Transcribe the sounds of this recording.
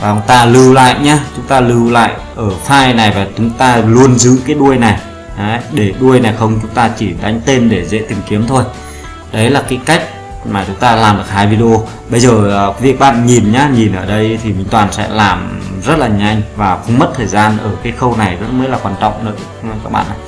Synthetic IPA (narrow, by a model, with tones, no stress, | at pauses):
vaː˨˩ʊ˨˧˦ŋ͡mt̪aː˧lɨ˧wla̰ː˧˨jɲaː˧t͡ɕʊ˨˦ŋ͡mt̪aː˧lɨ˧wla̰ː˧˨j | ʔəː˧˩faː˧jna˨˩jvaː˨˩t͡ɕʊ˨˦ŋ͡mt̪aː˧lu˧ənzɨ̰˧˥kaː˨˦jɗu˧əjna˨˩j | a˨˦ɗe˧˩ɗu˧əjna˨˩jxə˧wŋ͡mt͡ɕʊ˨˦ŋ͡mt̪aː˧t͡ɕi˧˩ɗa˨˦ŋ̟t̪e˧nɗe˧˩zḛ˧˥t̪ï˨˩ŋ̟ki˨˦əmt̪ʰo˧j | ɗə˨˦jlaː˨˩kaː˨˦jka˦˥jk̟̚ | maː˨˩t͡ɕʊ˨˦ŋ͡mt̪aː˧laː˨˩mɗɨ˨˩ə˩k̚haː˧jvi˧ɗi˧ʔo˧ | ɓə˧jzəː˨˩˨vi˨˩ək̚ɓa̰ː˧˨nɲi˨˩nɲaː˨˦ɲi˨˩nʔəː˧˩ɗə˧jt̪ʰi˨˩mï˨˩ŋ̟t̪waː˨˩nsɛ̰˧˥laː˨˩mzə˦˥t̚laː˨˩ɲa˧jŋ̟vaː˨˩xə˧wŋ͡mmə˦˥t̚t̪ʰəː˨˩jzaː˧nʔəː˧˩kaː˨˦jxə˧wna˨˩jzə˦˥t̚mə˨˦˥laː˨˩kwaː˧nt͡ɕɔ̰˧˨wŋ͡mnɨ̰˧˥ə˧˦kaː˦˥k̚ɓa̰ː˧˨nʔa˨˩